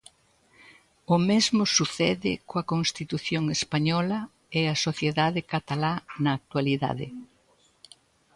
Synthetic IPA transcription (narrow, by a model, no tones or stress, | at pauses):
ʊmezmʊsuθɛðɪ̰koɐkonst̪it̪uθjoŋespaɲɔlɐ | ɛɐsoθjeðaðɪkat̪alanɐːk̚t̪waliða̰ðɪ̰